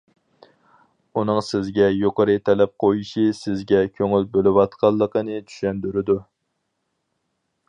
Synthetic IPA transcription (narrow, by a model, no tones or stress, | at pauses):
unɨŋsɪzɡʲɛjoqəɾɨt̪ʰɛlɛp̚qʰojiʃisɪzɡʲɛkʲʰøŋylbølɪwɑt̪qʰɑlˠːəqənɨt͡ʃʰy̥ʃɛnd̪yɾɪd̪u